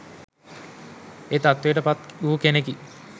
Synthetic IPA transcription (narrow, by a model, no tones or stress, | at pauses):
eːt̪at̪ʋejʈəpat̪uukeneki